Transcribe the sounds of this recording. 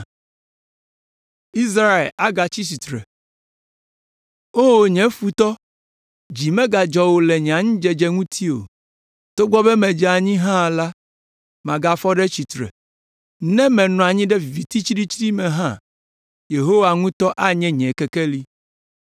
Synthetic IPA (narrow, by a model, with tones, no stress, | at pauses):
i˦s̬ɾa˦ḛ˨la˨ɡa˨t͡ɕi˦t͡ɕi˨t̪ɾɛ̰˨ | o˦˨ɲɛ̃˨˦fu˨t̪ɔ˦ | d͡ʑi˨mɛ̃˦ɡa˨d͡ʒɔ˨wo˨lɛ˨ɲɛ˨a˨ɲĩ˦d͡ʒɛ˨d͡ʒɛ˦ŋũ˦t̪ʰi˦o̰˨ | t̪o˦ɡ͡bɔ˦bɛ˦mɛ̃˨d͡ʒɛ˨˦a˨ɲĩ˦ɦã˦la˦ | mã˨ɡa˨fɔ˦ɖɛ˦t͡ɕi˨t̪ɾɛ̰˨ | nɛ̃˦mɛ̃˨nɔ̃˨a˨ɲĩ˦ɖɛ˦˨vi˨t̪i˦t͡ʃi˦ɖi˦t͡ʃɾi˦mɛ̃˨ɦã̰˦ | je˨ɦo˦wa˨ŋũ˦t̪ɔ˦ʔa˦ɲɛ̃˦ɲɛ̃˨kɛ˨kɛ˦li˦